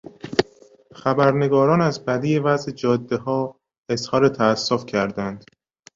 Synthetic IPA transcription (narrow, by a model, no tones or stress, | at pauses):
xæbæɾne̞ɡɒːɾɒːnæzbæd̪ijevæzʔed͡ʒɒːd̪ːe̞hɒː | e̞zhɒːɾet̪ʰæːsːofcʰæɾd̪ænd̪̥